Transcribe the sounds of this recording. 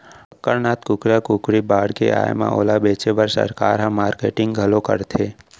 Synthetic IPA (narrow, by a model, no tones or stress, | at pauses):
ɐkːəɾnaːt̪kʊkɾakʊkɽibaːɽkḛʔa̰ːjmã̰ʔo̰ːlabeːt͡ʃebəɾsə̰ɾkaːɾɦɐ̃mːaːɾkeːʈɪ̃ŋɡɡʱɐlokə̰ɾt̪ʰeː